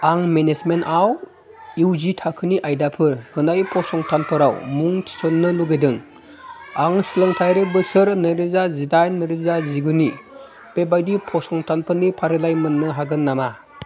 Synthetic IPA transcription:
aŋmenezmentaw | iwzitʰakʰɯniʔajdapʰɯɾhɯnajpʰɔsɔŋtʰanpʰɯɾawmuŋtʰi̥sɔnːɯluɡedɯŋ | aŋsilɯŋtʰajɾebɯsɯɾnɯɾizazidajnɯɾizaziɡuni | pebajdipʰɔsɔŋtʰanpʰɯnipʰaɾɯlajmɯnːɯɦaɡɯnːama

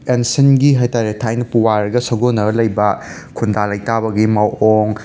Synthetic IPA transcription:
ensinɡiɦajtaɾetʰajnɐpuwaɾɡɐsɐɡonːɐɾɐlɐjbɐ | kʰundalɐjtabɐɡimawoŋ

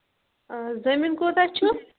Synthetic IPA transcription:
zɐminkot̪at͡ʃʰu

